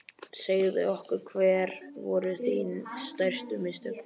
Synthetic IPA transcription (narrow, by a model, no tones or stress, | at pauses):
seːjðɪ̰ɔhkʏɾkʰvɛːɾvɔɾʏθinst̪ar̥st̪ʏmɪst̪ʏ